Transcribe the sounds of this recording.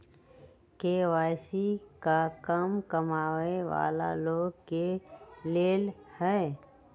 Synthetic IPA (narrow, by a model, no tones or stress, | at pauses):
keːʋaːɪsikakəmkəmaːweʋa̰ːla̰loːɡkeleːlhɛː